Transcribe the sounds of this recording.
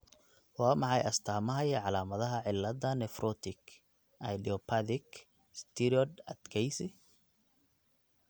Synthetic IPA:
wɑːmɑħɑjʔɐst̪ʰaːmɐɦɐjʕɑlaːmɐðɐɦɐʕɪlːɐd̪ɐnɛfrʔɔt̪ʰɪk | ʔɐjdiɔpʰad̪ɪk | st̪ʰɪɾɔd̪ɐd̪kʰɛjsɪ

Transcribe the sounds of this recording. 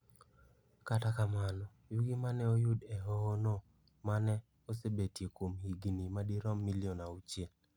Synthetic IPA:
katakamanɔ | jʊɡimanɛojʊdɛɦɔːnɔ | manɛ | osebetjekwomhiɡinimadiɾɔmːiliɔnaut͡ʃjel

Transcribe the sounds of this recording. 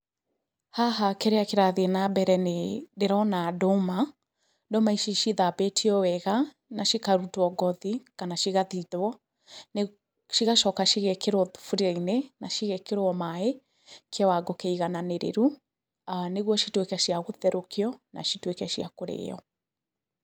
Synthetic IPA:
haɦakɛɾeakeɾaðeɛnabɛɾɛnedeɾɔnadɔma | dɔmaiʃiʃiðabetʰiɔwɛɣa | naʃikaɾutwɔɡɔðikanaʃiɣaðiðwɔ | n | ʃiɣaʃɔkaʃiɣɛkeɾwɔðufuɾiainenaʃiɣɛkeɾwɔmae | kʰewaɡɔkɛiɣananeɾḛɾu | aneɣwɔʃitwekɛʃiaɣoðɛɾokʰeɔna̰ʃitwekɛʃiakoɾḛːɔ̰

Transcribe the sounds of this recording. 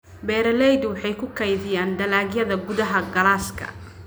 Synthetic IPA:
bɛːɾɛlɛjd̪wɑħɑjkʰʊkʰɐjðɪjaːnd̪ɐlaːɡjɐðɐɡʊðɐɦɐɡɐlaːskʰɐ̰

